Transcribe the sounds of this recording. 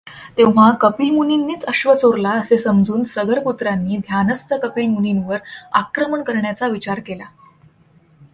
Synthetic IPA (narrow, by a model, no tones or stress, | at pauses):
t̪eʋʋ̤akəpilmuninːiːt͡səɕʋət͡soɾlaəsesəmd͡zuːnsəɡəɾput̪ɾanːiːd̪ʱjanəst̪ʰəkəpilmuninʋəɾa̰kɾəməɳkəɾɳjat͡saʋit͡ɕaɾkela